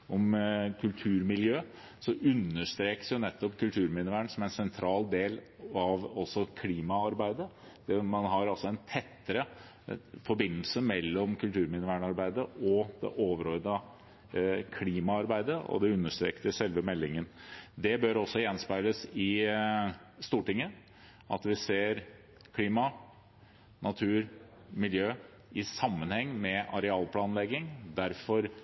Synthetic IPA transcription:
ɔmkʰʉlt̪ʰʉːɾmɪljøː | sɔʔʉnːəʂt̪ɾeːkə̥sjʊnɛt̪ːɔpkʉlt̪ʰʉːɾmɪnəʋæːɳsɔmɛnsɛnt̪ʰɾɑːld̪eːl | ɑʋɔsɔkʰliːmɑɑɾbæɪd̪əd̪̥ɛmɑnɦɑɾɑlsɔɛnt̪ʰɛt̪ːəɾə | fɔɾbɪnːlsəmɛlːɔmkʰʉlt̪ʰʉːɾmɪnəʋæːɳɑɾbæɪd̪əɔd̪ɛ̰ʔoːʋəɾɔʏd̪ɑ | kʰliːmɑɑɾbæɪd̪əʔɔ̰d̪ɛʉnːəʂt̪ɾḛːkt̪əsɛlʋəmɛlːɪŋənd̪ɛbøɾɔsːɔjɛnspæɪləsɪ | st̪uːʈɪŋːə | ʔɑ̰t̪ʋɪseːɾ | kʰliːmɑ | nʔɑt̪ʰʉːɾ | mɪljøː | ɪsɑmːənhɛŋːmɛɑɾɛɑːlpʰlɑːnlɛɡɪŋd̪æɾfɔɾ

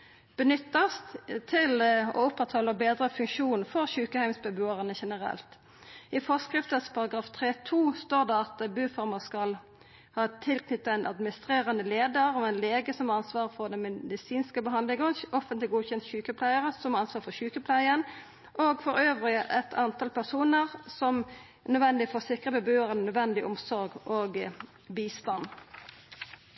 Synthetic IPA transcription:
b̥ənʏt̪ːɑst̪t̪ʰɪlɔ̰ʊpːɑt̪hɔlːəbeːd̪ʁəfʉŋkʃuːnfɔʁçʉːkəhæɪmsbɛbʉːəʁənəʃɛnəʁɛ̰lt̪ | ɪfɔskʁɪft̪əspʰɑʁɑɡɾɑːft̪ʰʁeːt̪ʰuːst̪oːd̪eɑt̪bʉːfɔʁmɑskɑl | hɑːt̪ʰɪlkʰnʏt̪ːɑæɪnʔɑ̰d̪mɪnɪst̪ʁeːʁənəleːd̪əɾɔʋæɪnleːɡəsɔmɑnsʋɑːʁfɔʁd̪ɛmɛd̪ɪsiːnskəbəɦɑnd̪lɪŋəɔfənt̪lɪɡuːçɛnt̪çʉːkəpʰlæɪəʁəsɔmɑɑnsʋɑːʁfɔçʉːkəpʰlæɪən | ʔoːɡfɔɾøːʋʁɪəʔɛt̪ʰɑnt̪ʰɑlpæʁsuːnəʁsɔm | nœd̪ʋɛnd̪ɪfɔsɪkʁəbəbøːəʁənnœd̪ʋɛnd̪ɪʔʊmsɔʁɡoːɡ | biːst̪ɑn

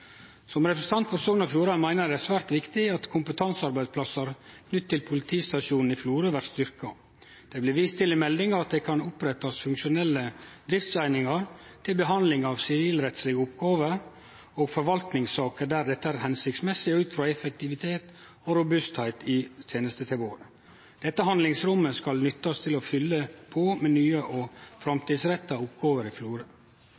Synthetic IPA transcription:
sɔmɾɛpɾəsə̥n̩t̪ɑnt̪pʰæɾsuːnɑfj̪uːɾɑmæɪnəɖ̪ɛæsʋæːɾt̪ʋɪkt̪ɪɑt̪kʰʊmpət̪ʰɑnsɑɾbæɪsplɑsɑɾknʏt̪ːɪlpʰʊlɪt̪ʰiːst̪ɑʂuːnn̩ɪfluːɾəʋæɾʈst̪ʏɾkɑ | d̪̥ɛblɪʋiːst̪ʰːɪlɪmɛld̪ɪŋəɑt̪̚d̪ɛːkʰɑnʊpɾɛt̪ɑsfʉŋkʃʊnɛlːəd̪ɾɪft̪sæɪnɪŋɑɾt̪ʰɪlbəɦɑnd̪lɪŋɑːʋsɪʋiːlɾɛt̪slɪɡəʊpɡɑːʋəɾ | oːɡfɔɾʋɑlt̪nɪŋsɑːkəd̪æːɾd̪ɛt̪ːəæːɾhɛnsɪkt̪smɛsːɪʉːt̪fɾɑɛfək̚t̪ɪʋɪt̪ʰeːt̪ | ɔɾʊbʉst̪hæɪt̪ɪt̪ʰeːnəst̪ət̪ʰɪloːɾ | d̪̥ɛt̪ːəɦɑnlɪŋsɾʊmːəskɑlnʏt̪ːɑst̪ʰɪlɔfʏlːəpʰoːmɛːnyːəʔɔfɾɑmt̪ʰiːd̪sɾɛt̪ːɑʊpɡɑːʋəɾɪfluːɾə

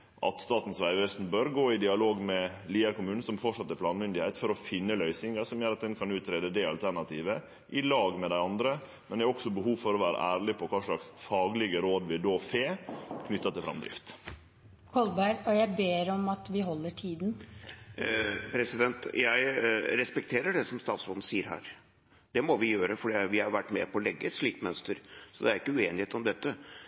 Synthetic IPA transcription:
ʔɑ̰t̪st̪ɑːt̪n̩sʋæɪʋɛst̪n̩bøːɾɡoːɪd̪ɪɑloːɡmɛ | liːəɾkʊmʉːnn̩sɔmfɔʈʂɑt̪ːəɾplɑːnmʏnd̪ɪhɛɪt̪fɔɾɔfɪnːəlœʏsɪŋɑsɔmjøːɾɑt̪̚d̪ɛnkʰɑnʉːt̪ɾeːd̪əd̪ɛɑlt̪ʰæɾɳɑt̪iːʋə | ʔɪlɑːɡmɛd̪æɪɑnd̪ɾə | mɛnd̪ɛɾɔɡsɔbəɦuːʋfɔɾɔʋæːɾə̰ʔæːɾɭɪpʰɔkʰɑːʂɭɑksfɑːɡlɪɡəɾoːd̪ʋɪd̪oːfeːkʰnʏt̪ːɑt̪ɪlfɾɑ̰md̪ɾɪ̰ft̪ | kʰɔlbæɪɾɔjæɪbeːɾɔmɑt̪ʋɪɦɔlːəʈʰiːd̪n | pʰɾɛsɪd̪ɛnt̪jæɪɾɛspɛk̚t̪ʰeːɾəɖɛsɔmst̪ɑːt̪sɔln̩siːəɾɦæ̰ːɾ | d̪̥ɛmɔʋɪjøːɾəfɔɖiʋɪhɑɾʋæʈːmɛ̰pʰɔɔlɛɡːəʂɭiːkmœnst̪əɾsɔd̪ɛæɾɪkːəʉeːnɪheːt̪ɔmd̪ɛt̪ːə

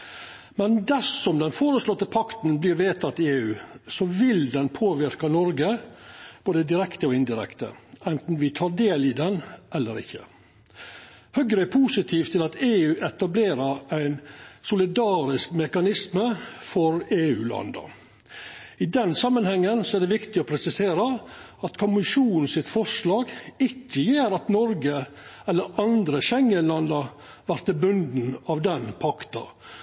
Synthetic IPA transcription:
mɛnd̪æsɔmd̪ɛnfoːɾəslɔt̪ːəpʰɑkt̪n̩blɪːɾʋeːt̪ʰɑt̪ːɪeːʉːsɔʋɪld̪ɛnpʰoːʋɪɾkɑnɔɾɡə | b̥oːd̪əd̪ɪɾɛkt̪əɔɪnd̪ɪɾɛ̰kt̪ə̰ɛnt̪n̩ʋɪt̪ʰɑːɖ̪eːlid̪ɛnʔɛlːəɾɪ̰çːə̰ | hœɡɾəɛpʰuːsɪt̪ʰiːft̪ʰɪlɑt̪eːʉːʔɛt̪ɑbleːɾəɾæɪnsʊlɪd̪ɑːɾɪskmɛkɑnɪsməfɔɾeːʉːlɑ̰nd̪ɑ̰ | ɪd̪ɛnsɑmːənhɛŋːənsɔæɖɛʋɪkt̪ɪɔpʰɾɛsɪseːɾəɑt̪kʰʊmɪʂuːnn̩sɪt̪fɔʂlɑːɡɪçːəjeːɾɑt̪nɔɾɡə | ɛlːəɾɑnd̪ɾəɕɛŋənlɑnd̪ɑ | ʋæɾt̪əbʉnd̪n̩ɑʋd̪ɛnpʰɑkt̪ɑ̰

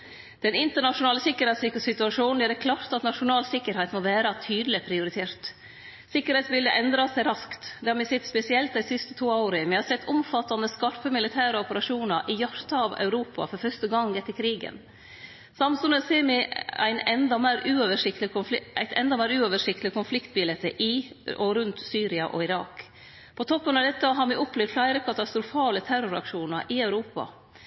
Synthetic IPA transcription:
d̪̥ɛnɪnt̪əɳɑʂʊnɑːləsɪkːəɾhɛɪt̪sɪkəsɪt̪ʉɑʂuːnn̩jæːɾɛkʰlɑːɾt̪ɑt̪nɑʂʊnɑːlsɪkːəɾhɛɪt̪moʋæːɾɑt̪ʰyːd̪l̩ɪpʰɾɪʊɾɪt̪ʰeːɾt̪ | sɪkːəɾhɛɪt̪sbɪld̪əʔɛnd̪ɾɑsæɪɾɑskt̪d̪ɛhɑɾmɪsɛt̪ːspɛsɪɛlt̪æsɪst̪ət̪ʰuːaʊɾəmɪhɑɾsɛt̪ʰːʊmfɑt̪ːɑnəskɑɾpəmɪlɪt̪ʰæːɾəɔpəɾɑʂuːnɑɾʔɪjɑɾt̪ɑʋœ̰ʉɾuːpɑ̰fɔɾfœʂt̪əɡɑŋːɛt̪ːəɾkʰɾiːɡə̰n | sɑmsʉnəseːɾmɪæ̰ɪnɛnd̪ɑmæːɾʔʉːoʋəʂɪkt̪ɪʊʔæ̰ɪt̪ʰɛ̰nd̪ɑmæːɾʉːoʋəʂɪkt̪lkʰʊnflɪkt̪̚bɪlɛt̪əʔɪ | ɔɾʉnt̪syːɾɪɑʔɔ̰ɪɾɑːk | pʰɔt̪ʰɔpːənɑʋd̪ɛt̪ːəɦɑɾmɪʔɔplɛːʋd̪flæɪɾəkʰɑt̪ɑst̪ɾʊfɑːlət̪ʰæɾʊɾɑ̰kʂuːnɑɾʔɪɑʉɾuːpɑ̰

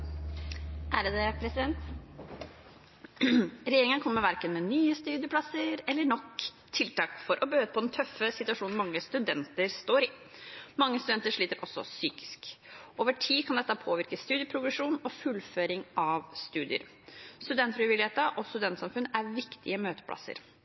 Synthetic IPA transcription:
æːɾəd̪ɛpʰɾɛsɪd̪ɛnt̪ | ɾɛjeːɾɪŋənəkʰɔmːəɾʋæɾkənmɛnyːəst̪ʉːd̪ɪəpʰlɑsəɾɛlːəɳɔk | t̪ʰːɪlt̪ɑːkfɔɾʔɔbəhøːd̪əpʰɔd̪ɛnt̪ʰœfəsɪt̪ʉɑʂuːnn̩mɑŋːəst̪ʉd̪ɛnt̪əɾst̪oːɾi | mɑŋːəst̪ʉd̪ɛnt̪əʂɭiːt̪əɾʔɔsːɔ̰syːkɪ̥skʔoːʋəʈʰiːkʰɑnd̪ɛt̪ːəpʰoːʋɪɾkəst̪ʉːd̪jəpʰɾʊɡɾɛʂuːnɔfʉlːføːɾɪŋɑʋst̪ʉːd̪ɪə̰ɾ | st̪ʉd̪ɛnt̪fɾɪʋɪlɪheːt̪əʔɔst̪ʉd̪ɛnt̪sɑmfʉnːəʔæɾʋɪkt̪ɪəmøːt̪ə̥pʰlɑ̰sə̰ɾ

